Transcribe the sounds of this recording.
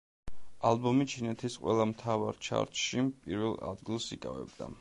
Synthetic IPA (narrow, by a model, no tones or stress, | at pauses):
alˠbɔmit͡ʃʰinɛt̪ʰisqʼwɛlˠamt̪ʰavaɾt͡ʃʰa̰ɾt̪ʼʃipʼiɾvɛlˠa̰d̪ɡilˠsikʼavɛ̰b̚d̪a